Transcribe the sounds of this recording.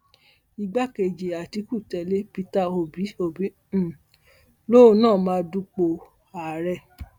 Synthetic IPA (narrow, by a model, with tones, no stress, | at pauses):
i˧ɡ͡ba˦ke˨d͡ʒe˨a˨ti˨˧ku˦˨tɛ˧le˦pi˧ta˦o˨bi˨˦o˧˨bi˨˦˨ | lo˦˧˦nãː˦˨mãː˦du˦k͡po˧ | a˨ɾɛ˧˨